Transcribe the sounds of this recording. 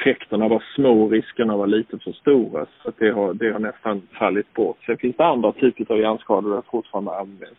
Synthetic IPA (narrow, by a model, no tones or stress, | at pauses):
fɛkt̪əɳavɑsmoːɾɪskəɳavɑliːt̪əfɔst̪uːɾa̰sat̪̚d̪ɛɦad̪ɛhaɳɛst̪anfaːɭɪt̪̚boːt̪sɛnfɪnsd̪ɛand̪ɾat̪ʰyːpət̪avanskɑːd̪ʊd̪ɛfʊʈfɑːɾand̪əanvɛ̰ns